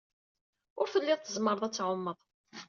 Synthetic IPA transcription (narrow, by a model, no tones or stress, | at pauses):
ʊɾθəlːɪðˤθəzməɾˤəðˤæt͡sːʕʊmːəðˤ